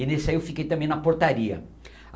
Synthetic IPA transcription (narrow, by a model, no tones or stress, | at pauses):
ɪnesɪaiewfikejt̪ɐ̃mẽj̃nɐpoɾt̪aɾiɐ̰